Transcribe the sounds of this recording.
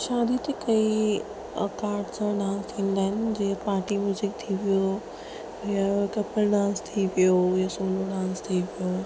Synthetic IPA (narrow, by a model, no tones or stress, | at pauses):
ʃaːd̪ʱit̪ekɐi | ə̰kaːɾʈsãɖãːnst̪ʰĩːnd̪aːɦɪnɪ̆d͡ʑiːpaːɾʈimjuːzɪk̚t̪ʰiʋijo | jakɐpəlɖãːst̪ʰiʋijojasoːloɖãːst̪ʰiʋijo